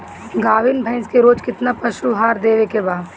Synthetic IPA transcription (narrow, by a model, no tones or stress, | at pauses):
ɡaːʋɪnbʱɐ̃ɪnskeɾoːd͡ʒkɪt̪napɐʃuɦaːɾd̪eːʋekebaːd̪